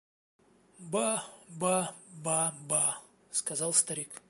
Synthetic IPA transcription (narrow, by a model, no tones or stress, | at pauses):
babababa | skɐzɑlˠst̪ɐɾʲik